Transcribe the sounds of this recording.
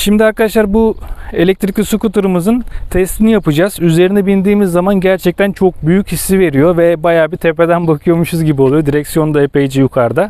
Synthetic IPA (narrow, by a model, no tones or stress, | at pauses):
ʃimd̪iaɾkad̪aʃlˠaɾbue̞lʲɛc̚t̪ɾicʲisukut̪uɾumɯzɯnt̪ʰɛst̪ʰinijapɯd͡ʒaːz̥yze̞ɾinɛbind̪iːmizːamanɟæɾt͡ʃʰɛc̚t̪ʰænt͡ʃʰo̞k̚byjychisːive̞ɾijo̞vɛbajaːbit̪ʰepe̞d̪ænbakʰɯjo̞muʃuzɟibio̞lˠjo̞d̪iɾɛcsijo̞nd̪aeped͡ʒijukʰaɾd̪a